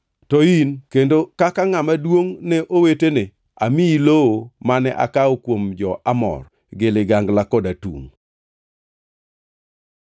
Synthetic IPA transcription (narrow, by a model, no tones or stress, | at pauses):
tɔinkendokakaŋamadwoŋnɛʔowetene | amiiloomanɛʔa̰kaɔkwomd͡ʒɔʔamɔ̰r | ɡɪlɪɡaŋɡlakɔdatṵŋ